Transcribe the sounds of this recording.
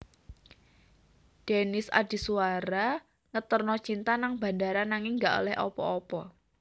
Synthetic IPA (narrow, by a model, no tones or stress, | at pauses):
d̥enɪsa̰di̤suwaɾa | ŋət̪ərnɔt͡ʃint̪anaŋba̤ndaɾanaŋɪŋɡaʔo̰lɛhʔɔ̰pɔ̰ɔpɔ